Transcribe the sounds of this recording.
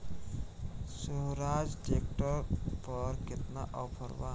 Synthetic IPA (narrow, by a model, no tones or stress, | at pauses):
suɦɾad͡ʒʈek̚ʈəɾpəɾkɪt̪naʔɔpʰəɾʋa